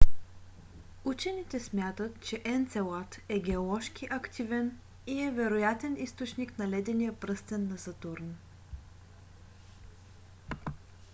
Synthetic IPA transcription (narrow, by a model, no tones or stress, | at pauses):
ut͡ʃɛnit̪ɛsmʲjat̪ət̪̚t͡ʃɛʔɛnt̪sɛlˠat̪ɛɡɛolˠɔʃkiʔɐkt̪ʰivɛn | iɛvɛɾojat̪ɛnist̪ot͡ʃniknɐlɛd̪ɛnijəpɾɤst̪ɛnːɐzɐt̪uɾn